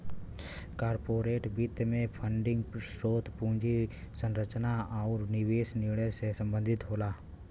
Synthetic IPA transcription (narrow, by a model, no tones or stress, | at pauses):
kaːɾpoːɾeːʈbit̪mẽpʰəɳɖɪ̃ŋɡsɾoːt̪pũːd͡ʒi | sə̃nɾət͡ʃnaɔːɾnɪʋeːsniɭəsesə̃mbə̃nd̪ʱɪt̪ɦoːlaː